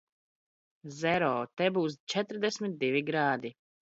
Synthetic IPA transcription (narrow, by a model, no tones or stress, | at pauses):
zɛɾɔːt̪ɛbuːst͡ʃɛt̪ɾd̪ɛsʲmit̪̚d̪ivʲiɡɾaːd̪i